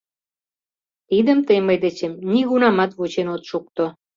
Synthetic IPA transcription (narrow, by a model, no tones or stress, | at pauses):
t̪id̪əmt̪əjməjd̪et͡ɕemniɣunɑmɑt̪βut͡ɕenot̪ʃuk̚t̪o